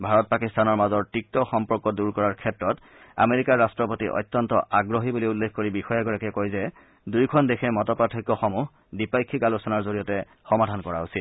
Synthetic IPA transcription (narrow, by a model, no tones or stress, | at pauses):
bʱaɹɔt̚pakistanɔɹmazɔɹtik̚tɔxɔmpɔɹkɔduɹkɔɹaɹkʰɛtɹɔt | a̰meɹikaɹːastɹɔpotḭʔɔ̰jtːɔntɔʔaɡɹoɦibuliulːekʰkoɹibixɔjaɡɔɹakɛkojzɛ | dujkʰɔndexʰɛmɔtɔpɹatʰikɔxɔmuh | dipajkʰːikalɔsɔnaɹzoɹijɔtɛ | xɔmadʱankɔɹa̰usit